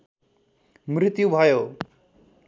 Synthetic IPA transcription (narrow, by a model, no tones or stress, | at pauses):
mɾɪt̪jubʱaːjoː